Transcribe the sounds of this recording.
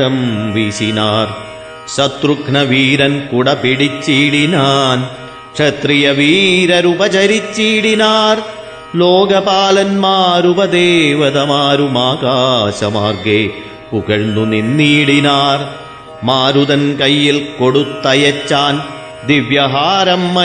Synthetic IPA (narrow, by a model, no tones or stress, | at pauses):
ɐmʋisinaːɾ | ʂɐt̪ɾukɳɐʋiːɾɐnkuɽɐpiɽit͡ʃːiːɽinaːn | kʂɐt̪ɾijɐʋiːɾɐɾubɐt͡ʃɐɾit͡ʃːiːɽinaːɾ | loːɡɐpaːlɐnmaːɾubɐd̪eːʋɐðɐmaːɾumaːkaːʂɐmaːɾɡeː | puɣɐɭnuninːiːɽinaːɾ | maːɾuðɐnkɐjːilkoɽut̪ːɐjɐt͡ʃːaːn | d̪iʋjɐɦaːɾɐmːɐ